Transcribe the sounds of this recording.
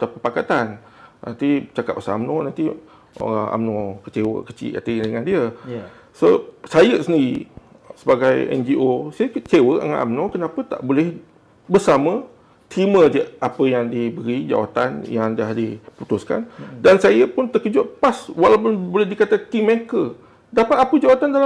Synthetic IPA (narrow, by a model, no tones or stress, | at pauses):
t̪apəpakat̪an | na̰nt̪it͡ʃakat̚p̚bəsaamnonãnt̪i | ʔa̰mnõkə̥t͡ʃewə̰kət͡ʃḭʔa̰t̪ədəŋãndiə | sosajəsəndiɾi | səbaɡajɛ̰nd͡ʒiʔosajəkət͡ʃewəəŋa̰ʔa̰mnõkənãpət̪a̰ʔbolɛh | bərsamə̃ | t̪ɾimə̃diəapəjaŋdibəɾid͡ʒa̰wa̰t̪anjaŋdahdiput̪ʊska̰ndansajəpʊnt̪əkəd͡ʒʊʔpaswalawpʊnbolɛhdikat̪ak̪imẽkə | dapat̪apəd͡ʒawat̪andala